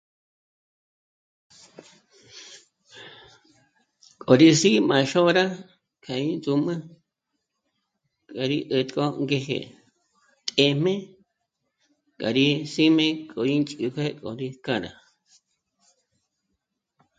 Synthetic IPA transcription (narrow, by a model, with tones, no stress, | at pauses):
kʼo˨ɾi˧si˦mã˨˧ʃo˦ɾa˦ | kʰa˨i˦nzu˧mɨ̃˦ | kʼa˨ɾi˦ʔə˧t̪ʼkʼo˦ŋɡe˧ɦḛ˧ | t̪ʼe˧m̥ẽ˦ | kʼa̰˨ɾi˧si˦mẽ˦kʼo˨i˦nt͡ʃʼu˧ke˦kʼo˨ɾi˧ka˦˧ɾa̰˨